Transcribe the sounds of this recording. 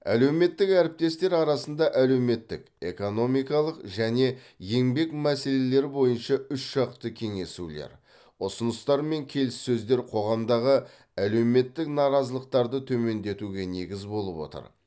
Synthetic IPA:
æ̰le̞wme̞t̪ːɪkæɾɪp̚t̪e̞st̪e̞ɾɑɾɑsən̪d̪ɑʔæle̞wme̞t̪ːɪk | e̞̰ko̞no̞mijkɑlˠəqʒæne̞ | je̞ŋbe̞kmæse̞le̞le̞ɾɪbo̞jənʃɑʏʃʒɑqt̪əkʲʰe̞ŋe̞sulḛɾ | ʊsənəst̪ɑɾme̞ŋkʲʰe̞lɪsːɵzd̪e̞ɾqʰo̞ʁɑmd̪ɑʁə | æle̞wme̞t̪ːɪknɑɾɑzəlˠəq̚t̪ɑɾd̪ət̪ʰɵme̞nd̪e̞t̪uɡʲe̞ne̞ɡʲɪzbo̞lˠəpwo̞̰t̪ə̰ɾ

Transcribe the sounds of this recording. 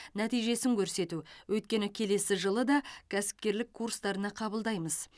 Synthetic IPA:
næt̪ijʒe̞sɪŋkʲʰɵɾse̞t̪uwʔɵjt̪̚kʲe̞nɪkʲʰe̞le̞sɪʒəlˠəd̪ɑkʲʰæsɪ̥p̚kʲe̞ɾlɪkʰːurst̪ɑɾənɑqʰɑbəlˠd̪ɑjməz

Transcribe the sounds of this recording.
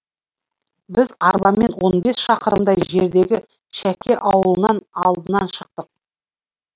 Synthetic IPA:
bɪzɑɾbɑmmːe̞nwo̞nbe̞sʃɑqəɾəmd̪ɑjʒe̞ɾd̪e̞ɡʲɪ | ʃækʲʰe̞ʔɑwəlˠənɑnɑlˠd̪ənɑnʃəq̚t̪əq̚

